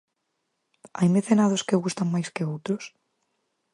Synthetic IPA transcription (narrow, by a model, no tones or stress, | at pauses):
ajmeθenað̞oskeɣust̪aŋmajskeowt̪ɾos